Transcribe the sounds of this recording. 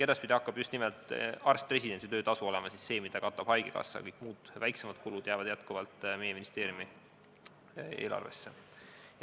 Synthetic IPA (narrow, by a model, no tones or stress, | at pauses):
ke̞d̪̥ɑspid̪ʲiɑkːˑɑb̥just̪nimelt̪ˑɑrst̪pre̞s̬ʲid̪̥e̞nʲsit̪øːt̪ɑsuo̞lemɑsisse̞ːmid̪̥ɑkɑt̪ːˑɑb̥hɑjɡ̥ekɑ̰sːɑ̰kɤjkˑmuːd̪̥væjksemɑd̪̚kulud̪̥jæːvɑd̪̥jæt̪kuvɑlt̪ˑme̞je̞minist̪e̞ːɾjumi | e̞̰ːlɑ̰rve̞̰sːe